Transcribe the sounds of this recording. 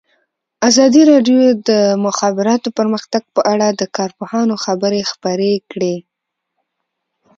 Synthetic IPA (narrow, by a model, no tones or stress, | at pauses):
azɑd̪iɾɑɖjod̪əmʊxɑbɪɾɑt̪opəɾməxt̪aɡ̚pəʔaɽad̪əkɑɾpohɑnoxabəɾexpəɾekɽe